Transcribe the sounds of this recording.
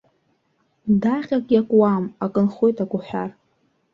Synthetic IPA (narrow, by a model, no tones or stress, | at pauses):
daχʲakʼjakʷʼwamakʼɨnχojtakʷʼʊħʷᶣar